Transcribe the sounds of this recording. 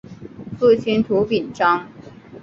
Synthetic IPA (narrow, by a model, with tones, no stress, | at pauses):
fu˥˩t͡ɕʰi˥nt̪ʰu˧˥pi˨˩nʈ͡ʂɑ˥ŋ